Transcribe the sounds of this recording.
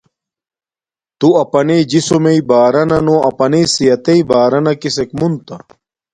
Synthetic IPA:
t̪uɐpɐneːd͡ʑisomeibaːɾɐnɐnoːɐpɐneːsijɐt̪ɐibaːɾɐnɐkisekmunt̪ɐ

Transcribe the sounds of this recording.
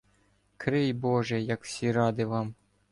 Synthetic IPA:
kɾɪjbɔʒɛjɐkw̥sʲiɾɑd̪ɪʋɑm

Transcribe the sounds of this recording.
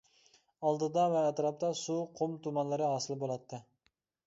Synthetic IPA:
ɑlˠd̪ɨd̪ɑvɛːt̪ɾɑp̚t̪ʰɑsuqʰomt̪ʰumɑnlˠɨɾɨɦɑːsɨlˠbolˠɑt̪ʰːɨ

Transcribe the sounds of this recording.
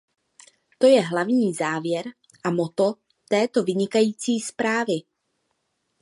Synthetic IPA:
t̪o̞jɛɦlavɲiːzaːvjɛɾ | ʔamo̞t̪o̞ | t̪ɛːt̪o̞vɪɲɪkajiːt͡siːspɾaːvɪ

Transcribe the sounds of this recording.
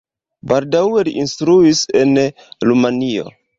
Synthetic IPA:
baldawe̞liʔinstɾuise̞n | ɾumanio̞̰

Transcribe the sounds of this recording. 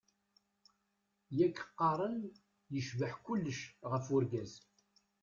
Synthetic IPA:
jækːə̥qːɑɾˤən | jəʃvəħkʊlːəʃʁəfʊɾɡæz

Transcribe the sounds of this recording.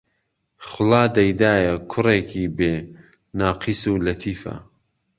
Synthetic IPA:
χʊlaːd̪ɐjd̪aːjɐkʰʊɾeːkʰibeː | naːqʰisuːlɐt̪ʰiːfɐ̰

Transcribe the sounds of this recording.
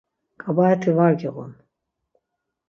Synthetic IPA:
kʼabaɛt̪ʰivaɾɡɛʁṵn

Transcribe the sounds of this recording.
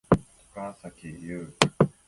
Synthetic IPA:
t̪ʰo̥kasakʲijɯː

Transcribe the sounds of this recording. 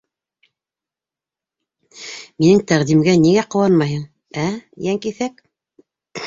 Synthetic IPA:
minɘŋt̪æʁd̪imɡæniɡæqŏwɑnmɑjɦɤɴ | æjæŋkiθæk

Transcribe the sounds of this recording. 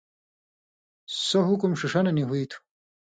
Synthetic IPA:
sɐɦukumʂiʂɐnɐniɦuit̪ʰu̥

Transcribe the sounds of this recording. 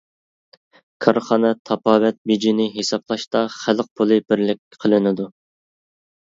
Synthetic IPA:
kʰɑɾχɑnɛt̪ʰɑpʰɑːwɛt̪̚bed͡ʒinɪɦesɑplˠɑʃt̪ɑχælq̚pʰolˠɨbɪɾlɪkʲqʰəlˠɨnɪd̪u

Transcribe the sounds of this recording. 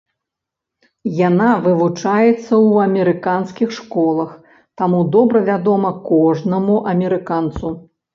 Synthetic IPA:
janavɨvut͡ʂajɛt̪sːɐwɐmʲɛɾɨkanskʲixʂkɔlˠɐx | t̪amud̪ɔbɾɐvʲad̪ɔmɐkɔʐnɐmuʔɐmʲɛɾɨkant̪su

